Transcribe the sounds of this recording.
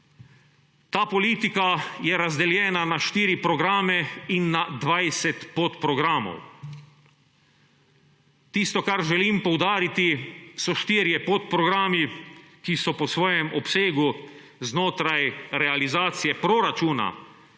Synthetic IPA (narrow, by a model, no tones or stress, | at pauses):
t̪aːpɔliːt̪ikajɛɾazd̪ɛljɛːnanaʃt̪iːɾipɾɔɡɾaːmɛinːad̪ʋajsɛt̪pot̪pɾɔɡɾaːmɔ̰w | t̪ist̪ɔkaɾʒɛliːmpɔwd̪aːɾit̪isɔʃt̪iɾjɛpot̪pɾɔɡɾaːmikisɔpɔsʋɔːjɛmʔɔpseːɡu | znoːt̪ɾajɾɛalizaːt̪sijɛpɾoɾat͡ʃuːna̰